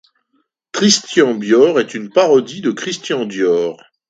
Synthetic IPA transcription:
kχist̪jɑ̃bjɔʁɛt̪ynpaʁɔd̪id̪əkχist̪jɑ̃bjɔːʁ

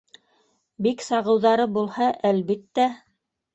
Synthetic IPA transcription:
biksɑʁɤ̆wðɑɾɤbulˠhɑʔælβit̪ːæ

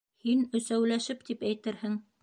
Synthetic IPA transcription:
hinɵ̆sæwlæʃɘp̚t̪ipæjt̪ɘɾhɘŋ

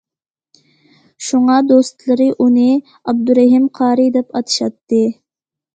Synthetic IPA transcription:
ʃuŋɑd̪ost̪lˠɨɾɨʔunɨ | ɑb̚d̪uɾɛɦimqʰɑːɾɨd̪ɛpɑt̪ʰɨ̥ʃɑt̪ːɨ

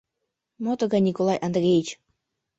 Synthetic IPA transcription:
mot̪əɡɑnʲikolˠɑjʔand̪rʲejit͡ɕ

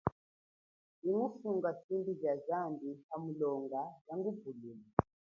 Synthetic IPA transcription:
iŋufuŋɡasimbizazandihamulɔŋɡajaŋɡubulimi

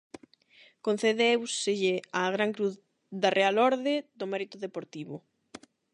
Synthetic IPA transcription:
kon̟θeðewsɪʎɪaɣɾaŋkɾuθ | ðarealɔɾðeðomɛɾit̪ʊðepoɾt̪iβʊ

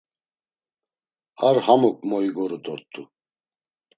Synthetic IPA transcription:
aɾhamɔk̚ʼmɔiɡɔɾud̪ɔɾt̪ʰʼu

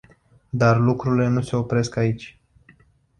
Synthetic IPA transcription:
d̪arlukɾuile̞nuse̞o̞pɾe̞skait͡ʃʲ

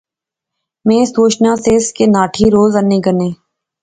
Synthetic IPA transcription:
mẽːsoːʃnãːseːskenaːʈʰiːɾoːzənẽːɡənẽː

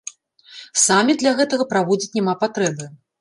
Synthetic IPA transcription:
samʲid̪lʲaɣɛt̪ɐɣɐpɾavɔd͡zʲit͡sʲnʲɛmapat̪ɾɛbɨ

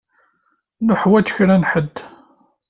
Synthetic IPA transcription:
nʊħwæt͡ʃːçɾænħəd̪ː

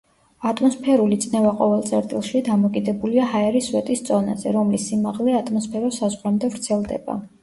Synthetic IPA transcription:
at̪ʼmɔspʰɛɾulit̪sʼnɛvaqʼɔvɛlˠt̪sʼɛɾt̪ʼilˠʃid̪amɔkʼid̪ɛbuliahaɛɾiswɛt̪ʼist̪sʼɔna̰zɛɾɔmlisːimaʁlɛat̪ʼmɔspʰɛɾɔsazʁɾɛmd̪ɛvɾt̪sʰɛlˠd̪ɛ̰ba̰

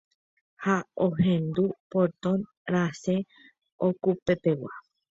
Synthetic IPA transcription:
haohẽ̞nd̪upoɾt̪õn | ɾase | okupe̞t̪e̞wa̰

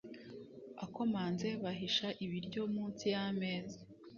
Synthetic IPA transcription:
ako̞maːnze̞βaɦiʃaʔiβiɾɟo̞muːnt͡sijame̞ːze

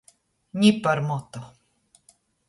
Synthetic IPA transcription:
ɲipaɾmɔt̪o

